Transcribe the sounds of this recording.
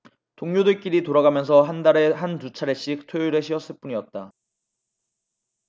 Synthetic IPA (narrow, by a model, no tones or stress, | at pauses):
toŋɲodeɭk͈iɾitoɾaɡamjʌns̬ʰʌɦandaɾe̞ɦantut͡ɕʰaɾe̞ɕ͈ik̚tʰouɾeɕʰiʌs͈ɯɭp͈uɲiʌt̚t͈a